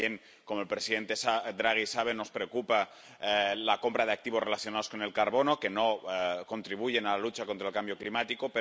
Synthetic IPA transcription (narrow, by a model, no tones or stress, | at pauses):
jeŋ | ko̞moelpɾesiðe̞nt̪e̞sad̪ɾaɣ̞isaβ̞e̞no̞spɾe̞okupa | lako̞mpɾað̞e̞ak̚t̪iβo̞re̞laθjo̞naðosko̞ne̞lkaɾβo̞no̞ke̞no̞ko̞nt̪ɾiβ̞uʝe̞nalalut͡ʃakont̪ɾaelkambjo̞klimat̪ikope